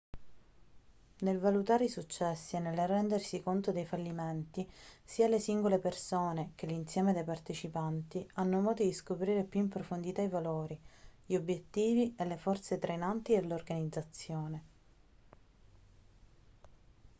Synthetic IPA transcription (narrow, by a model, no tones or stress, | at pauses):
nelvalut̪aːɾeisut͡ʃːɛsːiɛnːelrːɛnd̪ersikont̪od̪ejfalːiment̪isiːalesiŋɡolepersoːnek̟elːinsjɛːmed̪ejpart̪et͡ʃipant̪ianːomɔːd̪od̪iskopɾiːɾepjuimpɾofond̪it̪aivaloːɾiʎiobːjet̪ːiːvielefɔrt̪set̪ɾejnant̪id̪elorɡanid̪zːat̪sːjoːne